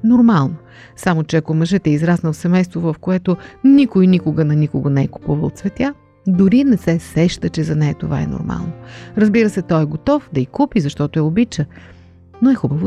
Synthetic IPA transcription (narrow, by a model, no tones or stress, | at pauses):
noɾmalˠno | samot͡ʃɛɐkomɐʒɛt̪ɛizɾasnəlˠsɛmɛjst̪vovɐfkoɛt̪onikojnikʊɡənɐnikʊɡonɛɛkʊ̥puvə̰lˠt̪svɛt̪ʲja | d̪ʊɾinɛsɛsɛʃt̪ət͡ʃɛzɐnɛjət̪ova̰ɛ̰no̰ɾma̰lˠnoɾɐzbiɾəsɛt̪ɔjɛɡot̪ɔfd̪ɐikupizɐʃt̪ɔt̪oɛobit͡ʃə | noɛxubəvo